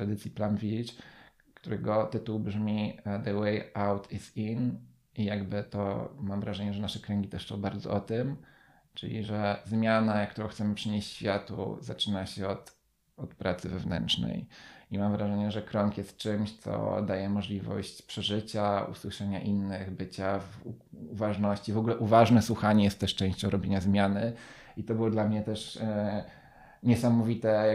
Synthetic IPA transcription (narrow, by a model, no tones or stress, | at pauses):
t̪ɾad̪ɘt̪sʲjiplamvʲit͡ʂ | kt̪uɾɛɡɔt̪ɘt̪uwbʐmʲid̪əwɛjawt̪ʰisin | ijaɡbɘt̪ɔmamvɾaʐɛɲɛʐɛnaʂɛkɾɛŋɡʲit̪ɛʂsɔ̃w̃baɾd̪zɔ̰ʔɔt̪ɘm | t͡ʂɘ̰lʲḭʐɛzmʲjanakt̪uɾɔ̃w̃xt̪sɛmɘpʂɘɲeɕt͡ɕɕfʲjat̪ṵzat͡ʂɘnaɕɛɔt̪ | ɔt̪pɾʔat̪sɘvɛvnɛ̰nt͡ʂnɛ̰jimamvɾaʐɛɲɛʐɛkɾɔŋkjɛst̪̚t͡ʂɘmɕt̪sɔ̰d̪ajɛmɔʐlʲivɔ̰ɕt͡ɕpʂɛʐɘt͡ɕaṵswɘʂɛɲaʔinːɘɣbɘt͡ɕav | uvaʐnɔɕt͡ɕivɔɡulɛʔuvaʐnɛswuxaɲɛjɛst̪ːɛʂt͡ʂɛ̃ɕt͡ɕɔ̃w̃ɾɔbʲeɲazmʲjanɘ | it̪ɔbɘwɔd̪lamɲɛt̪ɛʂ | ɲɛsamɔvʲit̪ɛ